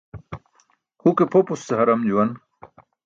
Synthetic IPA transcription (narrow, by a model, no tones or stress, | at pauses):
hukepʰopusːɐɦɐɾɐmd͡ʑuwɐn